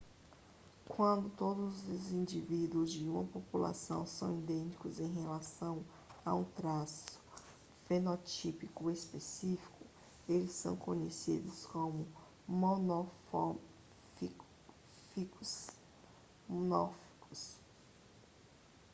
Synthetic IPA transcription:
kwɐ̃nd̪ʊt̪od̪ʊzzʊzĩd͡ʒivid̪wʊzd͡ʒɪũmɐpopula̰sɐ̰̃w̃sɐ̰̃w̃id̪ẽt͡ʃi̥kʊzẽj̃ɦelasɐ̃w̃ | a̰ũt̪ɾasʊ̥ | fenot͡ʃipikʊespesifi̥kʊ | elɪsːɐ̰̃w̃kõɲesḭd̪ʊskõmʊ | monof | fi | fik | nɔfi̥kʊs

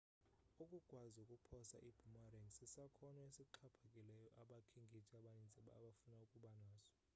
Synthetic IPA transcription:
ukʼuɡ̥ʱwazukʼupʰɔsa̰ʔib̥ʱumaɾɛŋsisakʰɔnɔesiǃʰapʰakʼilɛjɔʔaɓakʰiŋɡʱit͡ʃʼaɓanind͡zʼʱiɓa̰ːɓafunaukʼuɓanaːzɔ̥

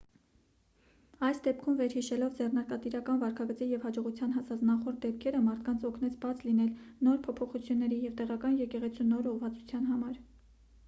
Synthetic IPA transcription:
ɑjsd̪ɛp̚kʰumvɛɾhiʃɛlɔvd͡zɛrnɑɾkɑt̪iɾɑkɑnvɑɾkʰɑɡət͡sijɛvhɑd͡ʒɔʁut͡sʰjɑnɦɑsɑt͡snɑχɔɾt̪̚d̪ɛp̚kʰɛɾəmɑɾt̪ʰkɑnt͡sʰɔkʰnɛt͡sʰbɑt͡slinɛlnɔɾpʰɔpʰɔχut͡sʰjunːɛɾijɛvt̪ɛʁɑkɑnjɛkɛʁɛt͡sʰunɔɾɔʁvɑt͡su̥t͡sʰjɑn̪ɦɑmɑɾ

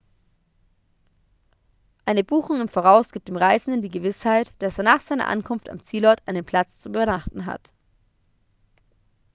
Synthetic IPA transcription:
ʔaɪnəbuːxʊŋɪmfoːʁ̞aʊsɡ̥iːp̚d̥eːmʁaɪzn̩dən̩diːɡəvɪshaɪtd̥aseːɐnaːχz̥aɪnɐ̰ʔa̰nkʰʊnfta̰mt͡siːlɔɐtʔaɪnənpʰl̥at͡st͡subbnaχtn̩ɦa̰t

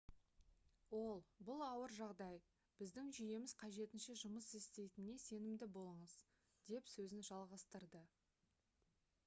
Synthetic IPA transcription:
wo̞lˠbʊlˠɑwəɾʒɑʁd̪ɑj | b̥ɪzd̪ɪŋʒʏje̞mɪzqʰɑʒe̞t̪ɪnʃe̞ʒʊməsest̪e̞jt̪ɪne̞se̞nɪmd̪ɪbo̞lˠəɴəz | d̪̥e̞psɵzɪnʒɑlˠʁɑst̪əɾd̪ə

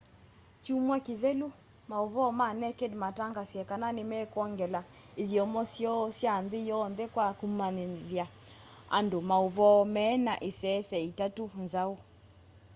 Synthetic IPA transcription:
t͡ʃumwakiðɛlu | mauβɔmanɛkedmataŋɡasjɛkananemɛkwɔŋɡɛla | iðiɔmɔsjɔsjanðijɔnðɛkwakumanðja | a̰ndomauβɔmɛːnaʔesɛsɛitatunzau

